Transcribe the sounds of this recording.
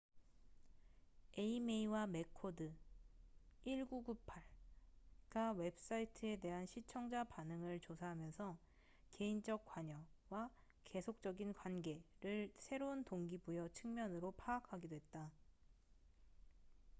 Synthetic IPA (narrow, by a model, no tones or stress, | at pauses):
e̞imeiwame̞kʰodɯ | iɭɡuɡupʰaɭ | ɡ̥awe̞ps͈aitʰɯe̞de̞ɦanɕʰit͡ɕʰʌŋd͡ʑapanɯŋɯɭt͡ɕosʰaɦamjʌnsʰʌ | ke̞ind͡ʑʌk̚k͈waɲʌwa | ke̞sʰok̚t͡ɕ͈ʌɡinkwanɡe̞ɾɯɭsʰe̞ɾountoŋɡibujʌt͡ɕʰɯŋmjʌnɯɾopʰaːkʰaɡidwe̞t̚t͈a